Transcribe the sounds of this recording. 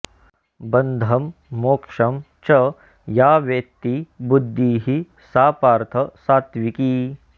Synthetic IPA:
bɐnd̪ʱɐmːoːkʂɐm | t͡ʃɐ | jaːʋjek̚t̪ibud̪ʱːiːɦi | saːpaːɾt̪ʰɐsaːt̪ʋiki

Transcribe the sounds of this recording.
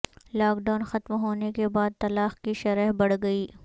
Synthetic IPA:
laːkɖaːnxɐt̪mɦoːnekebaːd̪̚t̪ɐlaːxkiʃɐɾəɦbɐɽɡɐiː

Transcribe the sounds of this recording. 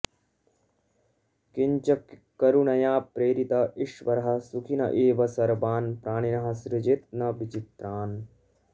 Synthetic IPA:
kiɲt͡ʃɐkkɐɾunɐjaːpɾeːɾit̪ɐʔiʃʋɐɾɐɦɐ̆sukʰinɐ̰ʔeːʋɐsɐɾbaːnpɾaːɽ̃inɐɦɐ̆sɾɪd͡ʒet̪̚nɐʋit͡ʃit̪ɾaːn

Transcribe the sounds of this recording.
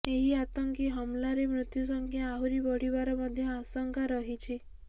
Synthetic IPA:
eɦiat̪ɔŋkiɦɔmlaɾemɾut̪jusɔŋkʰjaaɦuɾibɔɽ̤ibaɾɔmɔd̪ʱjɔasɔŋkaɾɔɦit͡ʃʰi

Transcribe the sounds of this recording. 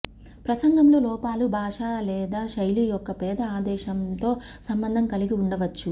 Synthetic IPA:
pɾɐsɐŋɡɐmloːlɔːpaːlubʱaːʂaːlɛːd̪aːʃɐjlijɔkːɐpɛːd̪ɐaːd̪ɛːʂɐmt̪o̞ː | sɐmbɐnd̪ʱɐŋkɐliɡiuɳɖɐʋɐt͡ʃːu

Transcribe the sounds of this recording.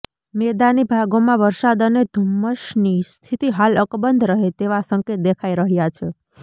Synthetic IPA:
med̪anibʱaɡomãʋəɾsad̪əned̪ʱəmːəʃnist̪ʰit̪iɦaləkbənd̪ʱɾəɦet̪eʋasəŋket̪̚d̪ekʰaiɾəɦjat͡ʃʰe

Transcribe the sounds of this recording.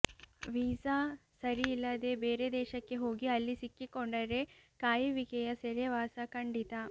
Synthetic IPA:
ʋiːsasɐɾiilːɐd̪e̞beːɾed̪ɛːʃɐkːe̞ɦo̞ːɡiɐlːisikːikoɳɖɐɾe̞kaːjiʋikɛjɐseɾeʋaːsɐkɐɳɖit̪ɐ

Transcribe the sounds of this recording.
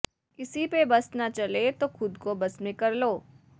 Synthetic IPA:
ɪsipebɐsnat͡ʃɐlet̪oxʊd̪kobɐsmẽkɐɾloː

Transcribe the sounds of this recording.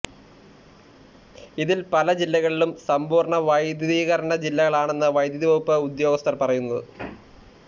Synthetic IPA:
iðilpɐlɐd͡ʑilːɐɣɐɭilumsɐmbuːrɳɐʋɐjd̪jɐðiːɣɐɾɐɳɐd͡ʑilːɐɣɐɭaːɳe̞nːɨʋɐjd̪jɐðiʋɐɣupːɨud̪jo̞ːɡɐst̪ɐrpɐrɐjunːɐðɨ

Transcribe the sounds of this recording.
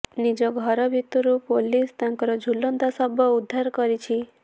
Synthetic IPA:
nid͡ʒɔɡʱɔɾɔbʱit̪ɔɾupolist̪ãŋkɔɾɔd͡ʒʱulːɔnd̪asabʱɔud̪ʱːaɾkɔɾit͡ʃʰi

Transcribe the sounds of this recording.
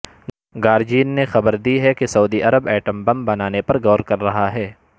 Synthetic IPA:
ɡaːɾd͡ʒiːnːexɐbəɾd̪iɦɛkesɐuːd̪iʔɐɾəbɛːʈə̃mbɐ̃mbɐnaːnepɐɾɡɔːɾkɐɾːɐɦaɦɛː

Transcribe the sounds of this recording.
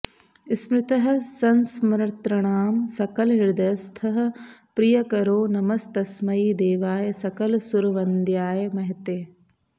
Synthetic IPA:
smɾɪt̪ɐɦɐ̆sɐnsmɾɐɾt̪ɾɐɳaːmsɐkɐlɦɪɾd̪ɐjɐst̪ʰɐɦɐ̆pɾijɐkɐɾoːnɐmɐst̪ɐsmɐjid̪eːʋaːjɐsɐkɐlsuɾʋɐnd̪jaːjɐmɐɦɐt̪eː

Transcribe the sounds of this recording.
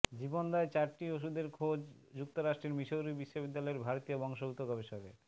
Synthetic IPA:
d͡ʑibond̪aet͡ɕaɾʈioʃ̬ud̪eɾkʰod͡ʑd͡ʑuk̚t̪oɾaʃʈɾeɾmiʃowɾubiʃːobid̪ːalɔeɾbʱaɾot̪ijobɔŋʃout̪okɔbeʃɔɡḛ

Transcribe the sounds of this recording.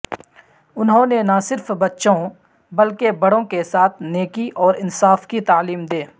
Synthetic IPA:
ʊnɦõnenɐsɪɾfbɐtːʃõ | bɐlkebɐɽõkesaːt̪ʰneːkiʔɔːɾɪnsaːfkit̪aːliːmd̪eː

